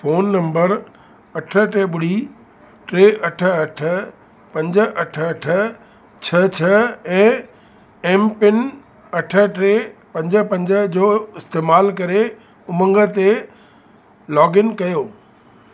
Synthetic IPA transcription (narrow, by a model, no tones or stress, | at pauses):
foːnːɐ̃mbəɾ | ɐʈʰə̆ʈeɓʊɽ̤i | ʈɾeːʔɐʈʰə̆ɐʈʰə̆ | pɐ̃ɲd͡ʑə̆ʔɐʈʰəɐʈʰə̆ | t͡ɕʰɐt͡ɕʰɐɛ̃ː | ɛːmpɪn | ɐʈʰə̆ʈɾeːpɐ̃ɲd͡ʑəpɐ̃ɲd͡ʑəd͡ʑoːɪst̪eːmaːlkɐɾe | ʊmə̃ŋɡə̆t̪e | lɔːɡɪnkɐjoː